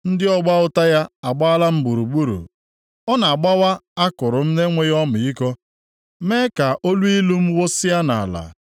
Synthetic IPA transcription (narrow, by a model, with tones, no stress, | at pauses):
n̩˦dɪ˦ɔ˦ɡ͡ba˦ʊ˦ta˦ja˦a˨ɡ͡ba˦a˦la˦m̩˦bu˨ɾu˨ɡ͡bu˦ɾṵ˨ | ɔ˦na˨a˨ɡ͡ba˦wa˦a˦kʊ˨ɾʊ˨m̩˦ne˦ŋʷe˦jɔ˦mʊ˨i˦kɔ˦ | me˦ka˨ʔo˦lu˦i˦lu˦m̩˦wo˦sɪ˦ja˦na̰˨a˨la̰˨